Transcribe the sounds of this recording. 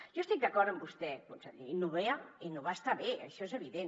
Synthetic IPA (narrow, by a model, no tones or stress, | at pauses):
ʒɔest̪ik̚d̪əkɔɾt̪əmbust̪ɛkonsəḭnuβeainoβast̪aβeə̰ʃɔezəβiðen